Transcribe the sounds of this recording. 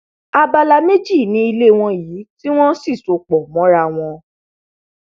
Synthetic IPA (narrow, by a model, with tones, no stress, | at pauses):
a˧ba˧la˧me˦d͡ʒi˦˨nĩ˨˦i˧le˦w̃ɔ̃˧jiː˨˦ti˦w̃ɔ̃˦si˦˨so˨k͡pɔ˨mɔ̃˨˦ɾa˧w̃ɔ̃˧